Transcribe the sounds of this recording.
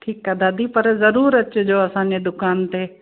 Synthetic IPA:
ʈʰiːkːəd̪ʱaːd̪ʱipəɾzəɾuːɾət͡ʃʊd͡ʑoːɐsãːɲd͡ʑed̪ʊkaːnt̪e

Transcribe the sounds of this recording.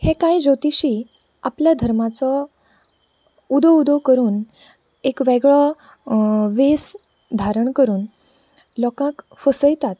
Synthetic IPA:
hẽkãjd͡zot̪iɕiː | apljad̪ʱəɾmat͡sɔ | ud̪ɔud̪əkəɾuːn | ekʋeɡɭɔ | ʋes | d̪ʱaɾəɳkəɾuːn | lɔkãk | fəsəjt̪at̪

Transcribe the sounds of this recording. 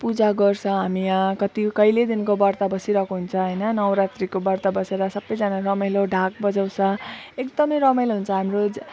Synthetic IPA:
pud͡zaɡʌrsʰʌ̃ɦamiãkʌt̪ikʌjled̪inkobʌrt̪abʌsiɾʌkoɦunt͡sʰʌ̃ɦʌjnʌnʌwɾat̪rikobʌrt̪abʌseɾʌsʌbːʌjd͡zanarʌmʌjloɖʱak̚bʌd͡zaw̃sʰʌ̃ekd̪ʌmʌjɾʌmʌjlɦunt͡sʰʌɦamrod͡z

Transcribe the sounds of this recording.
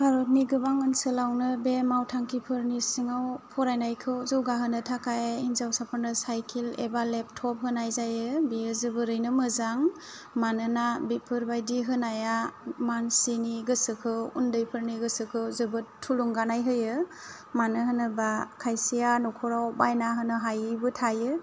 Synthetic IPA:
bʱaɾɔt̚niɡɯbaŋɯnsɯlawnɯbemawtʰaŋkʰipʰɯɾnisiŋawpʰɔɾajnajkʰɯwzɯwɡaɦɯnɯtʰakajinzawsapʰaɾnɯsajkʰilḛbalep̚tʰɔp̚ɦɯnajzajɯbiɯzɯbɯɾɯjnɯmɯzaŋ | manɯnabipʰɯɾbajdiɦɯnajamansiniɡɯsɯkʰɯwundɯjpʰɯɾniɡɯsɯkʰɯwzɯbɯtʰuluŋɡanajɦɯjɯ | manɯhɯnɯbakʰajsijanɔkʰuɾawbajnaɦɯnɯɦajɯjbɯtʰajɯ

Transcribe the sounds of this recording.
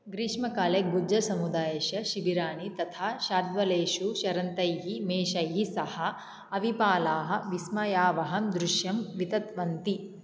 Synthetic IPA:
ɡɾiːʂmɐkaːlebud͡ʒɐsɐmud̪aːjɐʃɐʃiʋiɾaːɳit̪ɐt̪ʰaːʃaːd̪ʋɐleːʃuʃɐɾɐnt̪ɐjɦimeːʃɐjɦisɐhɐ̆ | ɐʋipaːlaːɦɐ̆ʋismɐjaːʋɐɦɐmd̪ɾuʃjɐmʋit̪ɐt̪ʋɐnt̪i

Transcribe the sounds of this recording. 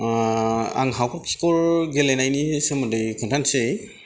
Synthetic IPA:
a̰ŋɦawpʰap̚kʰi̥kɔɹɡelenajnisemɔdejkʰɯntʰansej

